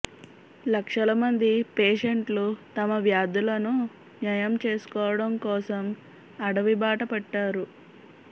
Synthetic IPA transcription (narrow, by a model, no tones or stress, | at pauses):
lɐkʂɐlɐmɐnd̪ipeːʂeɳʈlut̪ɐmɐʋjaːd̪ulɐnu | njɐjɐmt͡ʃe̞ːsu̥kɔːʋɐɽɐmkɔːsɐm | ɐɽɐʋibaːʈɐpɐʈːaːɾu